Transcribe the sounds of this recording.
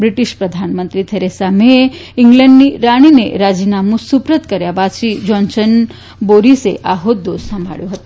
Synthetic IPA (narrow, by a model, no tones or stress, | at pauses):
bɾiʈiʃpɾəd̪ʱanmənt̪ɾit̪ʰəɾesameiŋɡlɛɳɖniɾaɽ̃inḛɾad͡ʑinamũsupɾət̪kəɾjabad̪ʃiːd͡ʒɔnsən | boɾisḛʔaɦot̪̚d̪ossəmbʱa̰ɭjoɦət̪o